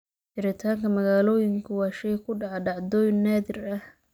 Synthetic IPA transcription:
ħɪɾɪt̪ʰaːŋkʰɐmɐɣaːlɔːjɪŋkʰʊwɑːʃɛjkʰʊɖɑʕɑɖɑʕd̪ɔːjnːaːðɪrɐh

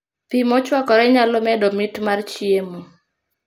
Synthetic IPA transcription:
pimɔt͡ʃwakɔɾɛɲalɔmɛdɔmitmart͡ʃiemu

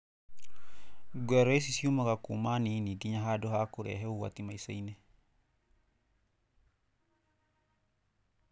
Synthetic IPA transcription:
ɡwɛɾɔes̬isiumaɣakumaninidiɲaɦadɔhakuɾɛ̰ɦɛuwa̰t̪imaisainɛ

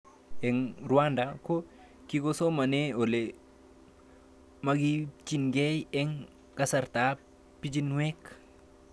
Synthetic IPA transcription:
ɛŋɾuandako | kiɡosomaneole | maɡit͡ʃiŋɡejɛŋ | kasaɾta | pid͡ʒinwek

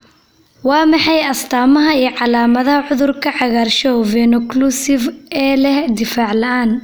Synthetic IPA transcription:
wɑːmɑħɑjɐst̪ʰaːmɐɦɐiːʕɑlaːmɐðɐhɐʕʊðʊrkʰɐʕɑɣaːrʃɔvɛnʊklusɪvɛːlɛhd̪ɪfaːʕlɐaːn

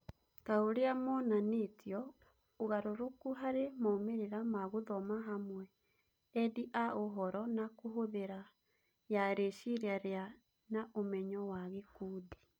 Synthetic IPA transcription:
taoɾeamɔnaneːtjɔ | oɣaɾoɾokuɦaɾemaomeɾeɾamaɣoðɔmaɦamwɛ | ɛdiʔaoɦɔɾɔnakoɦoðeɾa | jaɾeʃiɾeaɾea | naʔomɛɲɔwaɣekuːdi

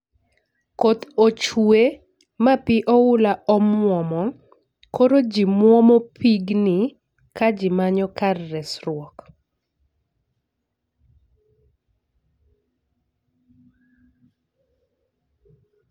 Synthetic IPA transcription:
kot̪ot͡ʃwe | mapɪʔɔʊlaʔɔmwɔmɔ | koɾod͡ʒimwɔmɔpʰiɡnɪ | kad͡ʒimaɲɔkarːɛsrwɔk

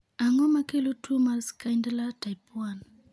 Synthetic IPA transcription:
aŋɔmakelotʰumalskajndalatajpwan

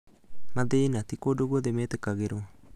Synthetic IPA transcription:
maðenatikodoɣoðɛmɛːt̪ekaɣeɾɔ

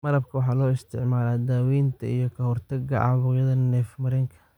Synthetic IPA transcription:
mɐɾɐbkʰɐwɑħɑːlɔːɪst̪ʰɪʕmaːlaːd̪aːwiːnt̪ʰɐ̰ijɞkʰɐɦɔrt̪ʰɐɡɐʕɑ̰βʊːɣjɐðɐnɛːfmɐɾɪŋkʰɐ̥

